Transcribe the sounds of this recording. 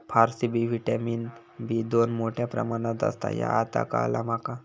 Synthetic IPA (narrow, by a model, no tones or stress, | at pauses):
pʰaɾsibiʋiʈamiːn | bid̪onmoʈʰjapɾə̰maɽ̃ãt̪ə̰st̪a̰ja̰at̪a̰ka̰lamaka